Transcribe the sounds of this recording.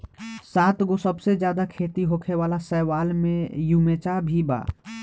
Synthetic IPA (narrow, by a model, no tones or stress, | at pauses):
saːt̪ɡosəbsed͡ʒjaːd̪akʰeːt̪iɦokʰeʋaːlasɛɦʋaːlmẽjumeːt͡ʃabʱiba̰ː